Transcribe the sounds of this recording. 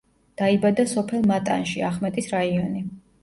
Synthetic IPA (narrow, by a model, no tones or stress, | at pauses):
d̪̥aibad̪asɔpʰɛlˠmat̪ʼa̰nʃiaχmɛt̪ʼisɾaiɔni